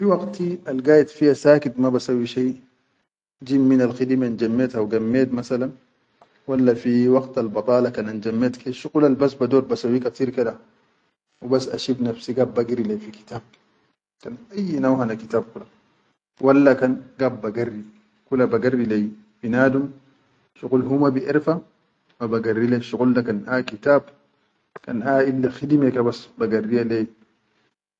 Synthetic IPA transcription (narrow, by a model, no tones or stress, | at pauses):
fiwɑɡt̪ialɡaːjat̪fihasaːkit̪mabasawːiʃaj | d͡ʒiːmːinalxid̪imand͡ʒamːeːt̪hawɡamːeːt̪masalan | walːafiwɑɡt̪albɑt̪ˤɑːlɑkanand͡ʒamːeːt̪kʰeʃuqulalbasbad̪oːt̪̚basawːikat̪iːɾkad̪a | wibasːʔa̰ʃibnafsiɡaːbːaɡiɾilefiki̥t̪aːb̚ | kanʔajːnawhanakit̪aːb̚kula | walːakanɡabːaɡarːi | kulabaɡarːilej | finaːdum | ʃuqulɦumabiʔiɾfa | mabaɡarːileʃuquldakanʔakit̪aːb̚ | ka̰naːilːaxidimekabasbaɡarːijale